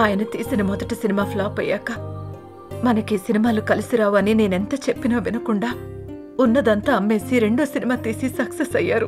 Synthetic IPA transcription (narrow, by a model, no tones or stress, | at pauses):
aːjɐnɐt̪iːsinɐmɔd̪ɐʈisinimaːpʰlaːpɐjːaːkɐ | mɐnɐkisinimaːlukɐlisiɾaːʋaːnine̞ːnent̪ɐt͡ʃepːinɐːʋinɐkuɳɖaː | unːɐd̪ɐnt̪ɐɐmːe̞ːsiɾe̞ɳɖoːsinimaːt̪iːsisɐksesɐjːa̰ːɾu